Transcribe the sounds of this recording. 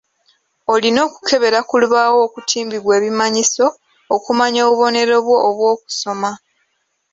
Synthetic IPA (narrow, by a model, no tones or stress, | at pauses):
olino̞ːku̥kʰe̞βe̞ɾakuluβawo̞ːkutʰiːmbiβwe̞ːβimaɲiso̞ː | kumaɲo̞ːβuβo̞ne̞ɾo̞βwo̞ʔːβwo̞ːku̥so̞ma